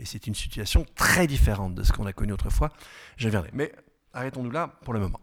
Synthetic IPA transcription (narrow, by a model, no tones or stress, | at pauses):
esɛt̪ynsi̥t̪yasjɔ̃t̪χɛd̪ifeʁɑ̃t̪̚d̪ə̰sə̥kɔ̃nakɔnyot̪χəfwaʒəvjɛ̃d̪ʁɛ̰mɛ | aʁɛt̪ɔ̃nulapuʁləmɔmɑ̰̃